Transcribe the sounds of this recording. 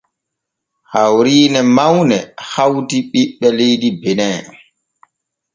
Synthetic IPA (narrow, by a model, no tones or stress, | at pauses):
hawɾiːnɛmawnɛhawtiɓiɓːɛlejdibɛnɛ